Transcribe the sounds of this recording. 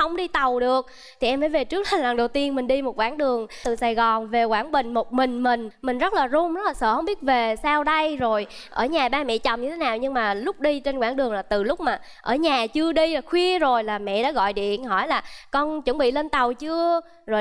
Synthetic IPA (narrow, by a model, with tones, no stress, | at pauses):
hə˧wŋ͡mɗi˧t̪a˨˩wɗɨ˨˩ək̚ | t̪ʰi˨˩ʔɛ˧maː˧˦jve˨˩t͡ɕɨ˦˥k̚la˨˩laː˨˩ŋɗə˨˩wt̪i˧ənmï˨˩ŋɗi˧mo˨˩t̚kwaː˧˩˦ŋɗɨ˨˩əŋɨ˨˩saː˨˩jɣɔ˨˩nve˨˩kwaː˧˩nɓï˨˩ŋ̟mo˨˩t̚mï˨˩ŋ̟mï˨˩ŋ̟mï˨˩ŋ̟zə˦˥t̚laː˨˩zʊ˧˦ŋ͡mzə˦˥laː˨˩sə̰ː˧˩hə˧wŋ͡mɓi˦˥ət̚ve˨˩saː˧wɗə˧jzo˨˩j | ʔə̰ː˧˩ɲaː˨˩ɓaː˧mɛ̰˧˨t͡ɕə˨˩wŋ͡mɲɨ˧t̪ʰe˨˦naː˨˩wɲɨ˧ŋmaː˨˩lʊ˦˥k͡p̚ɗi˧t͡ɕe˧nkwaː˧˩˦ŋɗɨ˨˩əŋlaː˨˩t̪ɨ˨˩lʊ˦˥k͡p̚maː˨˩ | ʔəː˧˩ɲaː˨˩t͡ɕɨ˧əɗi˧laː˨˩xwi˧əzo˨˩jlaː˨˩mɛ̰˧˨ɗa̰ː˨˥ɣɔ̰˧˨jɗḭ˧˨ənɦɔ˧˩jlaː˨˩kɔ˧nt͡ɕə˨˧˦ŋɓḭ˧˨le˧nt̪a˨˩wt͡ɕɨ˧ə | zo˨˩j